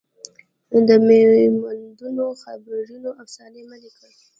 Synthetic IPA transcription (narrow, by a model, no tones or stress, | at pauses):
d̪əmemand̪unoxabɾunoʔafsɑnemanekɽəɽ